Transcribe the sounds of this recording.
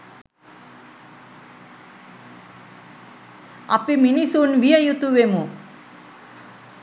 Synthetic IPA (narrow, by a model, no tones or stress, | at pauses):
ɐ̰piminisunʋijɐjut̪uʋemu